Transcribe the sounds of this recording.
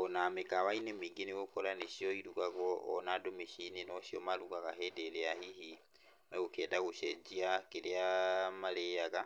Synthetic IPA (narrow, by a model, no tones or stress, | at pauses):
onamekawainemiːɡineɣokɔɾaneʃiɔiɾuɣaɣɔʔɔ̰nadomiʃininɔʃiɔmaɾuɣaɣaɦedeleahihi | meɣukɛːdaɣuʃɛd͡ʒiakeleamalejaɣa